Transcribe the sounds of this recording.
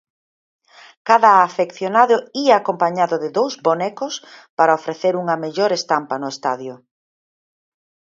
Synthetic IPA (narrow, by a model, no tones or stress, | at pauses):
kaðɐːfekθjonaðʊiaːkompaɲaðʊðɪðowzbonɛkʊspaɾaofɾeθeɾuŋɐmeʎoɾest̪ampɐnʊest̪aðjʊ